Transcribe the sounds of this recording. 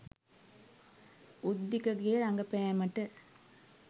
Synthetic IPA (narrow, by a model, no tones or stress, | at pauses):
ud̪ːikɐɡeːɾɐŋɡɐpejɐmɐʈːɯ